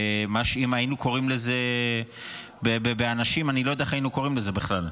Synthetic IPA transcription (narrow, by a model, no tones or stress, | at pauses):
maʃimainuko̞ʁimleze | bebebeanaʃimanilo̞jodaeainuko̞ʁimleze̞biχlal